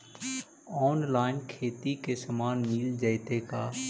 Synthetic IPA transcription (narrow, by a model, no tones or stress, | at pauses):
ɔːnlaːɪnkʰeːt̪ikesɐmaːnmiːld͡ʒəɪt̪ekaː